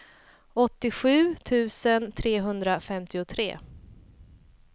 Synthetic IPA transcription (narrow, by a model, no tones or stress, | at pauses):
ɔt̪ːɪɧʉ̟ːt̪ʰʉ̟ːsənt̪ʰɾeːɦɵnd̪ɾafɛmt̪ɪʊt̪ʰɾḛː